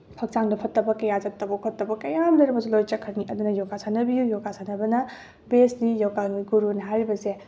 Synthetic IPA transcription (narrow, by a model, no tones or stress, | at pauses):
pʰɐk̚t͡ʃaŋdɐpʰɐtːɐbɐkɐjazɐtːɐbɐkʰotːɐbɐkɐjamlɐɾɐbɐsilojt͡ʃɐkʰːɐɾniʔɐd̪unɐjokasʰanɐbijujokasʰanɐbɐnɐ | besnijowkaniɡuɾunɐɦajɾibɐse